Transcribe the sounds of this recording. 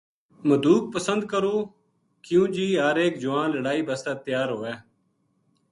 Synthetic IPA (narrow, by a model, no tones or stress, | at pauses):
məd̪uːk̚pəsə̃nd̪̚kəɾoː | kjũːd͡ʒiːɦaːɾeːkd͡ʒʊʋãːnləɽaːiːbəst̪aːt̪ɪjaːɾɦoːɛː